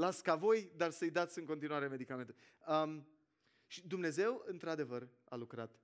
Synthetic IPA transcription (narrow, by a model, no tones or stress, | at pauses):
lat̪skavo̞jd̪arsəjd̪at̪sʲɨŋkot̪inuaɾe̞me̞d̪ikame̞nt̪u | əm | ʃid̪umne̞ze̞wɨnt̪ɾad̪e̞vər | a̰lukɾat̪